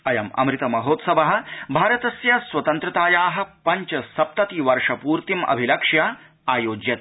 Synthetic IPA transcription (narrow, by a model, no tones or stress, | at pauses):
ɐjɐmɐ̰mɾit̪ɐmɐɦoːt̪sɐbɐɦɐ̆bʱaːɾɐt̪ɐsjɐswɐt̪ɐnt̪ɾɐt̪aːjaːɦɐ̆pɐɲt͡ʃɐsɐp̚t̪ɐt̪iʋɐɾʂɐpuːɾt̪imɐ̰bʱilɐkʂja | aːjoːd͡ʒjɐt̪̚